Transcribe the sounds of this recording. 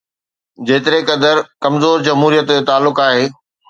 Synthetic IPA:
d͡ʑeːt̪ɪɾekɐd̪əɾkɐmzoːɾd͡ʑɐmɦuːɾijət̪et̪aːlːʊkaːɦeː

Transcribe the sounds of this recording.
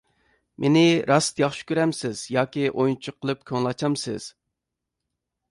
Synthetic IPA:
mʔenɪɾʔɑst̪jɑχʃy̥kʲøɾɛmsɪz̥jɑːkʲiʔojnt͡ʃʰʊqʰːəlˠɨp̚kʲʰøŋlˠɑt͡ʃʰɑmsɪ̰z̥

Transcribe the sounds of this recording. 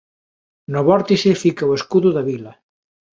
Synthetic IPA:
noβɔɾt̪isefikaweskuðʊðaβilɐ

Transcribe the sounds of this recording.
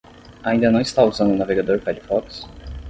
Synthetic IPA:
aĩnd̪ɐnɐ̃w̃ist̪auzɐ̃nd̪ʊunaveɡad̪oɾkalifɔks

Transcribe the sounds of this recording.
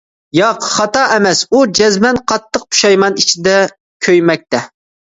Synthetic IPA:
jɑqχɑt̪ɑʔɛmɛsud͡ʒɛzmɛnqʰɑt̪ːəq̚pʰu̥ʃɑjmɑnit͡ʃʰid̪ɛ | kʲʰøjmɛk̚ʲt̪ɛ

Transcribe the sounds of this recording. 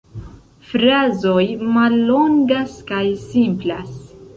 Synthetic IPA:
fɾazo̞jmalːoŋɡaskajsimplas

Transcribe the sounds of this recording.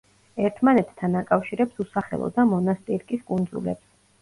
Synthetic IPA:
ɛɾt̪ʰmanɛt̪ʰt̪ʰːanakʼafʃiɾɛpsusaχɛ̰lˠɔ̰d̪amɔnast̪ʼiɾkʼiskʼund̪zṵlɛ̰ps

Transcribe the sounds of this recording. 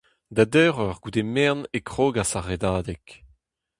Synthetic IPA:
d̪adɛːʁɔʁɡ̥ud̪emɛʁnekχoːɡasaʁed̪aːd̪ɛk

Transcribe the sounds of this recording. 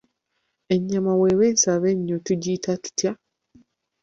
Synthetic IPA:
e̞ɲːamaweweːnsaβeɲːotuɟitʰatu̥tja

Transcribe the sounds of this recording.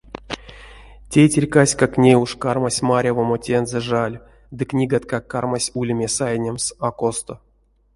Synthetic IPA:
tʲejtʲerʲkasʲkaknʲejuʂkarmasʲmaɾʲavomotʲenzɛʐalʲ | d̪ɨknʲiɡat̪kakːarmasʲulʲmʲesajnʲemsakost̪o

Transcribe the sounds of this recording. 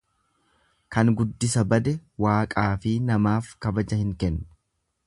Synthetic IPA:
kɐŋɡʊd̪ːɪsɐbɐd̪ɛwaːkʼaːfɪnɐmaːfkɐbɐd͡ʒɐhɪŋkɛnː

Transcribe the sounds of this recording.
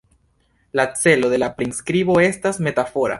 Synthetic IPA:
lat͡se̞lo̞d̪e̞lapɾinskɾibo̞e̞stasme̞tafo̞ɾa̰

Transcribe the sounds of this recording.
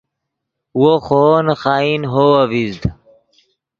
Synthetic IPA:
woxoːnxaːinɦowɐvizd̪

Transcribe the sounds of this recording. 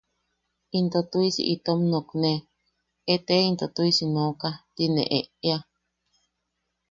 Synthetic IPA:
int̪ot̪uisḭʔit̪omnokne | et̪eint̪ot̪uisinõkat̪inḛ̃ʔeʔea

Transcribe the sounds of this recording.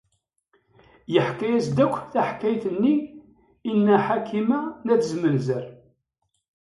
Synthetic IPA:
jəħkæjæsd̪ækʷːθæħkæjθənːiː | nːæħakʰːimænæt͡sːzmənzəɾ

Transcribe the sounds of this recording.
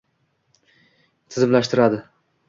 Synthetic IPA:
t̪ʰɪzɪmlaʃt̪ɪɾad̪ɪ

